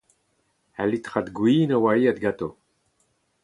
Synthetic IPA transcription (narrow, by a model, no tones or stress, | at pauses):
alit̪ʁat̪ɡwiːnawaɾiat̪ɡat̪o